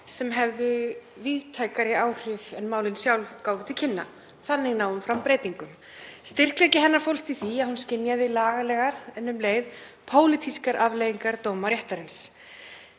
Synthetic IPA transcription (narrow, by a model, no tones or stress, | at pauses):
sɛmɦɛvðʏviːðt̪ʰaːjkaɾɪaːwr̥ɪvɛnmaːwlɪnsjawlvkaːwvɪt̪ʰɪlcʰɪnːa̰ | θanːɪɣnawʏmfɾampɾejt̪iŋkʏm | st̪ɪr̥klɛcɪɦɛnːaɾ̥fowlht̪iθiaðhunscɪnjaðɪlaːɣalɛɣaɾɛnːʏmleːjðpʰoːwlɪt̪ʰiskaɾʔavlejiŋkaɾt̪oːwmaɾjɛht̪aɾɪns